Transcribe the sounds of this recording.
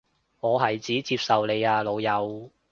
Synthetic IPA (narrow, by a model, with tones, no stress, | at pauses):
ŋɔː˨˧ɦɐ˨jt͡siː˨˥t͡siː˧p̚sɐ˨wle˨˧jaː˧lo˨˧wjɐ˨˧w